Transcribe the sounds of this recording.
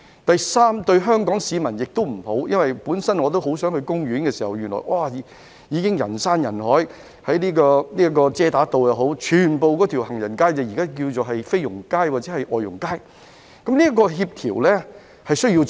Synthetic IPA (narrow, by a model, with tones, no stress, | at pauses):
t̪ɐ˨jsaː˥mt̪ɵ˧ɥɦœː˥ŋkɔː˨˥ŋsiː˨˧mɐ˨˩njɪ˨k̚t̪o˥wm̩˨˩ho˨˥wjɐ˥nwɐ˨jpuː˨˥nsɐ˥nŋɔː˨˧t̪o˥wɦo˨˥wsœː˨˥ŋhɵ˧ɥkʊ˥ŋɥyː˨˥nkɛː˧siː˨˩hɐ˨˩wjyː˨˩nlɔ̰ː˨˩jwʔaː˧˩˨ | jiː˨˧kɪ˥ŋjɐ̰˨˩nsaː˥njɐ˨˩nhɔː˨˥j | hɐ˨˥jniː˥kɔː˧ni˥ɐ˥kɔː˧t͡sɛː˥t̪aː˨˥t̪o˨wjɐ˨˧wɦo˨˥wt͡ʃʰyː˨˩npo˨wkɔː˨˥t̪ʰi˨˩whɐ˨˩ŋjɐ˨˩nkaː˥jt͡sɐ˨˩jiː˨kaː˥k̬iː˧wt͡so˨ɦɐ˨jfe˥jʊ˨˩ŋkaː˥jwaː˨˩t͡sɛː˨˥hɐ˨jʔɔː˨jʊ̰˨˩ŋkaː˥j | kɐ˨˥mniː˥ɐ˥kɔː˧ɦiː˧p̚t̪ʰiː˨˩wlɛ˥ | hɐ˨jsɵ˥ɥji˧w